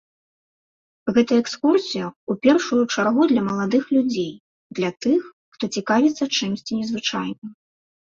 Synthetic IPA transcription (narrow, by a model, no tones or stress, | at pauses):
ɣɛt̪ɐəɛkskursʲijɐupʲɛrʂujut͡ʂarɣud̪lʲɐmɐlˠad̪ɨxlʲud͡zʲej | d̪lʲɐt̪ɨxːt̪ɔt͡sʲikavʲit̪sːɐt͡ʂɨmsʲt͡sʲinʲɛzvɨt͡ʂajnɨ